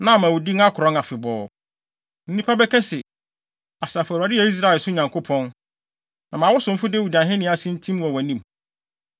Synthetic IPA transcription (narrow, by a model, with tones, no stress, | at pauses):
nã˦˨mã˨wʊ˨di˦ŋa˦kʰʊ˨ɾɔ̃˦ŋa˨fɪ˨bɔː˨ | n̩˦nĩ˦pʰa˦bɛ˦kʰɛ˦sɪ˨ | a˨sa˨fa˨dɪ˦ɛ˨i˦s̬ɾa˦ɛ˨sʊ˦ɲã˨ŋkʰo˦pʰɔ̃˦n | nã˨mã˨wʊ˦sʊ̃˨m̩˦fʊ˦dɛ˦wu˨dã˨ɦɪ̃˦nɪ̃˦a˨sɪ̃˦n̩˦tʰĩ˦mwɔ˨wæ˨nĩ˦˨m